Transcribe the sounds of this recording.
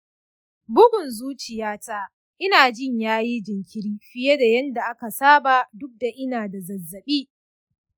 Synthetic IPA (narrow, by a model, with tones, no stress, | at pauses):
bʊ˦ɡʷʊ˨nzuː˦t͡ʃɪ˨jaː˦taː˦ | ʔɪ˦naː˨d͡ʒɪ˦˨ɲjaː˦ji˦d͡ʒɪ˨ŋkʲɪ˦ɾiː˦ɸɪ˦je˦da˨jɐ˦nda˨ʔa˦ka˨saː˦baː˨dʊ˦k̚da˨ʔɪ˦naː˨da˨zɐ˨zːɐ˨ɓiː˦